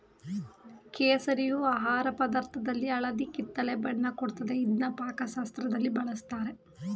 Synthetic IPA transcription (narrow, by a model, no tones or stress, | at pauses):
keːsɐɾijuaːɦaːɾɐpɐd̪ɐɾt̪ʰɐd̪ɐlːiɐɭɐd̪ikit̪ːɐlebɐɳːɐkoɽt̪ɐd̪e̞id̪nɐpaːkɐʃaːst̪ɾɐd̪ɐlːibɐɭɐst̪aːɾe̞